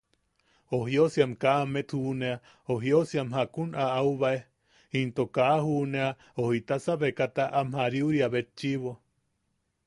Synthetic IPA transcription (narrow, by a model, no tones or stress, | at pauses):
oɦjosiamkamet̪ʰhunea | oɦiosiamɦakunaauβae | hint̪okahunea | ohit̪asaβekat̪aʔamhaɾiuɾiaβet͡ʃiβo